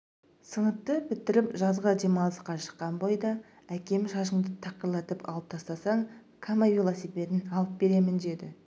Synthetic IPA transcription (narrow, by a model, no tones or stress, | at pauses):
sənəp̚t̪ːəbɪt̪ːɪɾɪpʒɑzʁəd̪emɑlˠəsqɑʃə̥qːɑnbojd̪ɑ | ækʲe̞mʃɑʃəɴd̪ət̪ʰɑqəɾlˠɑt̪əpɑ̰lˠəp̚t̪ʰɑst̪ɑsɑɴ | kʰamafʲilˠosijpe̞t̪ɪnɑlˠəp̚be̞ɾe̞mɪnd̪ed̪ɪ